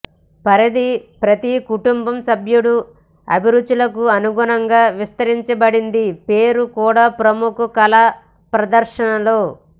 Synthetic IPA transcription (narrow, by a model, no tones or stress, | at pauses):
pɐɾɐd̪ipɾɐt̪ikuʈumbɐmsɐbʱjuɽu | ɐ̰bʱiɾud̪ːulɐkuɐnuɡunɐŋɡaːʋist̪ɐɾiɲt͡ʃɐbɐɽind̪ipe̞ːɾukuːɽaːpɾɐmukɐkɐla | pɾɐd̪ɐɾʃɐnɐlo̞ː